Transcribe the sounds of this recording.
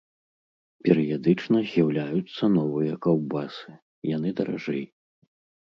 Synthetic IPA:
pʲɛɾɨjad̪ɨt͡ʂnɐzʲjawlʲajut̪sːɐnɔvɨjɐkawbasɨ̥ | janɨd̪ɐɾa̰ʐɛj

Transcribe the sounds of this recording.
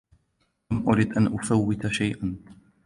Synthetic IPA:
mʔʊɾiːd̪ʔanʔʊfawːɪt̪aʃajʔan

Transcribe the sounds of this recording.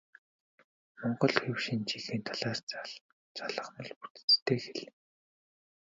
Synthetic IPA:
mɔɴɢɞ̆ɮxewʃiːnt͡ɕiɮiːnt̪ʰaɮaːr̥t͡saɮ | t͡saɮə̆χmɞ̆ɮput̪ɘ̥̆t͡st̪ʰeːxeɮɘ̆

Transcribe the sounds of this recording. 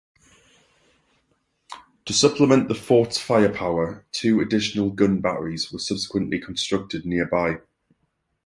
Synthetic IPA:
tʰəsʊpʰlɪmə̃nʔðəfɔˑtfaɪəpʰaʊətʰʉːədɪʃənəlˠɡʊ̃nba̰ɹiz̥wəsʊb̥sɪ̥kʰwə̃nʔlʔɪkʰə̃nstɹ̥ʊk̚tɪdⁿnɪəbaɪ

